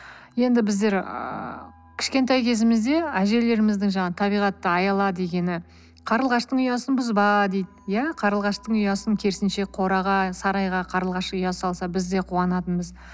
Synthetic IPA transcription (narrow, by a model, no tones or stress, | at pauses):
je̞nd̪ɪbɪzd̪e̞ɾə̰ | kʲʰɪ̥ʃkʲe̞nt̪ɑjkʲʰe̞zɪmɪzd̪e̞æʒe̞le̞ɾɪmɪzd̪ɪŋʒɑɴɑt̪ʰɑbijʁɑt̪ːəɑjɑlˠɑd̪e̞ɡʲe̞nɪ | qʰɑɾəlˠʁɑʃt̪əɴʏjɑsənbʊzbɑd̪e̞jd̪ɪjæqʰɑɾəlˠʁɑʃt̪əɴʏjɑsəŋkʲʰe̞ɾsɪnʃe̞qʰo̞ɾɑʁɑsɑɾɑjʁɑqʰɑɾəlˠʁɑʃʊjɑsɑlˠsɑbɪzd̪e̞qʰuɑnɑt̪ənbəz